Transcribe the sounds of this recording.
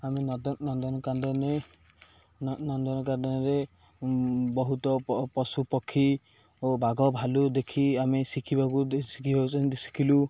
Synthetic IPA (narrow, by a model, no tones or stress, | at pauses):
amind̪ɔnɔnd̪ɔnɔkand̪ɔne | nɔnd̪ɔnɔkad̪ɔnɔɾe | bɔɦut̪ɔpɔsupɔkʰːi | obaɡɔbʱalud̪ekʰiamesikʰibakusi̥kʰibakud̪si̥kʰilu